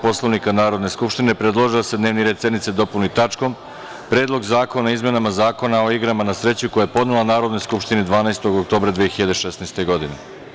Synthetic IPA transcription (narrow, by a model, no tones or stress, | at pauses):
po̞slˠoʋnikanaːɾo̞d̪ne̞skupʃt̪ine̞pɾed̪lˠoʒiose̞d̪ne̞ːʋniɾed̪senit̪se̞d̪o̞punuit̪at͡ʃko̞m | pɾe̞ːd̪lo̞ɡzaːko̞naizme̞namazaːko̞nao̞iɡɾamanasɾe̞t͡ɕuko̞jajepo̞d̪nelˠanaːɾo̞d̪nojskupʃt̪inid̪ʋaːnaest̪o̞ɡok̚t̪o̞ːbɾad̪ʋijexiʎad̪eʃesnast̪e̞ɡo̞d̪ine